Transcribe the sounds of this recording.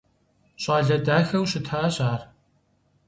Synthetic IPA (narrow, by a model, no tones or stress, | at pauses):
ɕʼaːɮɐdaːxɐwɕɪtʰaːɕʼaːr